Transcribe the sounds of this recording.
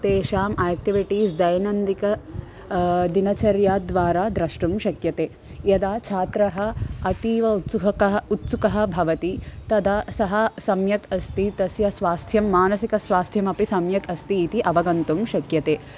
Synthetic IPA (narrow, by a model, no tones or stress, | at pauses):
t̪eːʃaːmeːk̚ʈiʋiʈiːsd̪ɐjnɐnd̪ikɐ | d̪inɐt͡ʃɐɾjaːd̪ʋaːɾaːd̪ɾɐʂʈumʃɐkjɐt̪eː | jɐd̪aːt͡ʃʰaːt̪ɾɐɦɐɐt̪iːʋɐut̪suɦɐkɐɦɐut̪sukɐɦɐ̆bʱɐʋɐt̪it̪ɐd̪ɐsɐɦɐsɐmjɐkɐst̪it̪ɐsjɐsʋaːst̪ʰjɐmːaːnɐsikɐsʋaːst̪ʰjɐmɐpisɐmjɐkɐst̪iːt̪iʔɐʋɐɡɐnt̪umʃɐkjɐt̪eː